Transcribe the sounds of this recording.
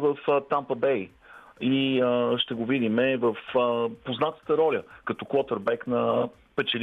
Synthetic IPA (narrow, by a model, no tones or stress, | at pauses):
vəft̪ampəbɛj | iəʃt̪ɛɡovid̪imɛvəfəpoznat̪ə̥t̪əɾɔlʲəkɐt̪ɔkwɔt̪əɾbɛknɐ | pɛt͡ʃɛl